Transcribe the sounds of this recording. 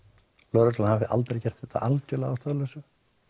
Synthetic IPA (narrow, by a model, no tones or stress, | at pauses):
lœːɾʏt̪lanhavɪʔa̰lt̪ɾecɛr̥t̪θɛht̪a̰ʔalc̪œlaast̪alɛsʏ